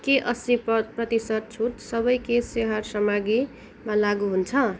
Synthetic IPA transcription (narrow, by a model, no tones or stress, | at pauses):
keʔʌsipprʌt̪isʌt̪̚t͡sʰut̪sʌbʌjkeseɦʌrsʌmaɡi | mãlaɡuɦunt͡sʰʌ